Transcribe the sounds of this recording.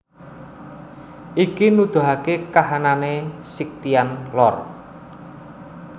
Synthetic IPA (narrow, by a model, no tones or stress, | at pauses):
ʔikinud̪̥ṳɦakekaɦananesik̚t̪ianlɔr